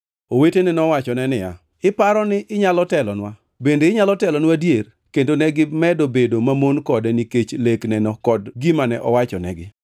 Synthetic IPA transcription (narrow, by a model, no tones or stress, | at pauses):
owetenɪnɔwat͡ʃɔnɛnɪja̰ | ɪpaɾɔnɪʔɪɲalɔtɛlɔnwa | bendeɪɲalɔtɛlɔnwadjer | kendonɛɡɪmɛdobedomamonkɔdɛniket͡ʃleknɛnɔkɔdɡimanɛʔɔwat͡ʃɔnɛ̰ɡɪ